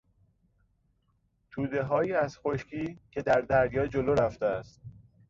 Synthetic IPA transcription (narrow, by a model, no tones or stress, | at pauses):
t̪ʰuːd̪e̞ɦɒːjiːæzxo̞ʃcʰiːcʰe̞d̪æɾd̪æɾjɒːd͡ʒoloɾæft̪eæst̪̚